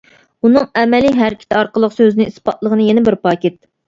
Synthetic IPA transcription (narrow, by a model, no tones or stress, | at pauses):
unɨŋɛmɛliɦæɾɪkʲʰɪ̥t̪ʰɑɾqəlˠəqsøzɪnɪispɑt̪lˠəʁənɨjenɪbɪɾpɑːkʲit̪̚